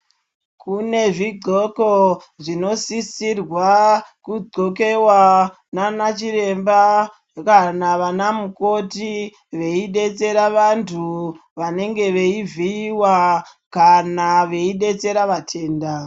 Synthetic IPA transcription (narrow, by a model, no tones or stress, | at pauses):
kune̞ʐiɡ͡ǀo̞ko | ʐino̞sisirwakud͡zo̞ke̞wa | nanat͡ʃiɾe̞mba | kanaʋanamuko̞ti | ʋe̞iɗe̞t͡se̞ɾaʋantʰuʋane̞ŋɡe̞ʋe̞iviiwakanaʋe̞iɗe̞t͡se̞ɾaʋatʰe̞ːnda